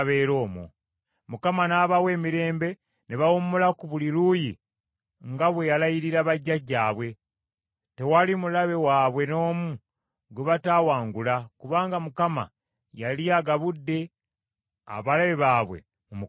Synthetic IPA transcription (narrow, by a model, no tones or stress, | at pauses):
βeːɾo̞ːmo̰ | mukamanaːβawe̞ːmiɾe̞ːmbe̞ | neβawomulakuβuliɾuːjḭ | ŋɡaβwe̞jalajiɾiɾaβaɟːaɟaːβwe̞ | te̞walimulaβe̞waːβwe̞no̞ːmu | ɡweβatawaːŋɡulakuβaːŋɡamukama̰ | jaliaɡaβudːe̞ | a̰βalaβeβaːβwe̞̰ | mumu